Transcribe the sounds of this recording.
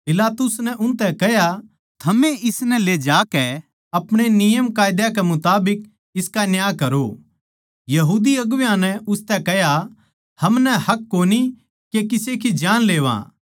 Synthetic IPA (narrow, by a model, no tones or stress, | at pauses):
pɪlaːt̪ʊsnɛʔʊ̃nt̪ɛkɛɦja | t̪ʰɐmẽɪsnɛled͡ʒaːkɛ | ɐpɽ̃enɪjəmkaːjd̪jakɛmʊt̪aːbɪk | ɪskanjaːkɐɾo | jɐɦuːd̪iɐɡʋjãnɛʊst̪ɛkɛɦja | hɐmnɛhɐkːoːni | kekɪsekid͡ʒaːnleːʋã̰ː